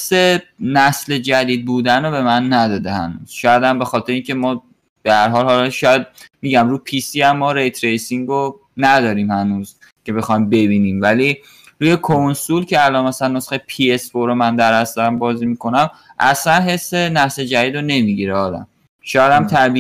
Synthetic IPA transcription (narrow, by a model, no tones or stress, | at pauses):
sːenæsle̞d͡ʒæd̪iːd̪̚buːd̪ænɾobe̞mænːæd̪ɒːd̪ehæ̰nṵːz̥ʃɒːjæd̪æmbe̞xɒːt̪ʰeɾeiːŋcʰe̞mɒː | b̥ehæɾɦɒːlhɒlɒʃɒːjæd̪̚miːɟæmɾuːpʰiːsiːæmːɒːɾe̞jt̪ʰɾe̞jsiŋɡo | næd̪ɒːɾiːmhænuːz | cʰe̞be̞xɒjmbe̞biniːmvæli | ɾuːjekʰonsulcʰe̞ælɒnmæsælænːosχepʰiesfoɾomænd̪æɾhæst̪æmbɒːzimikʰo̞næmʔæ̰slænɦe̞sːenæsle̞d͡ʒæd̪iːd̪ɾone̞miɟiɾeɒːd̪æ̰m | ʃɒːjæd̪æmt̪ʰæbi